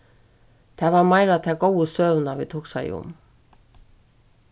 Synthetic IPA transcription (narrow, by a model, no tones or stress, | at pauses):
t̪ʰɛvaɾmaːjɾat̪ʰɛkoːwəsœːvnavḭt̪ʰuːksaj̰ʊ̰m